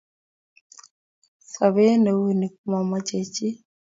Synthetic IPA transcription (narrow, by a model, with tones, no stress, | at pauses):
sa˨βe˦ne˨wu˦˨ni˨k̚u˦ma˨ma˦t͡ʃe˨t͡ʃi˦